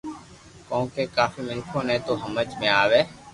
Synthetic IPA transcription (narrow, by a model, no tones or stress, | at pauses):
kõːkeːkaːfiːmɪnkʰoːnɛ̃ːt̪oːɦəməd͡ʒmẽːaːʋeː